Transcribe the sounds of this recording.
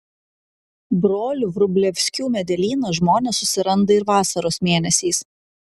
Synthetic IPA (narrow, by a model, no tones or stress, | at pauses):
bɾoːlʲʊʋɾʊbʲlʲɛʋʲsʲkʲuːmʲɛd̪ʲɛlʲiːnɐʒmoːnʲɛsːʊsʲɪɾɐnd̪ɐɪɾʋɑːsɐɾoːsmʲeːnʲɛsʲiːs